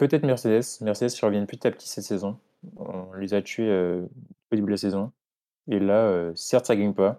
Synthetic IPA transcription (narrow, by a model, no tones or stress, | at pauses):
pøt̪ɛt̪χmɛʁsed̪ɛsmɛʁsed̪ɛskʲiʁəvjɛ̃npət̪i̥t̪apə̥t̪ʰi̥sɛt̪sɛzɔ̃ | ɔ̰̃lezat̪ɥeøoibllasɛzɔ̃ | elaøsɛʁt̪saɡaɲpa